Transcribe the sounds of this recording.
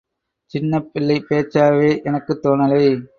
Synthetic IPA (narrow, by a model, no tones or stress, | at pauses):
t͡ʃɪnːɐpːɪlːɐɪpeːt͡ʃːaːʋeːʔɛnɐkːɯt̪ːoːnɐlɐɪ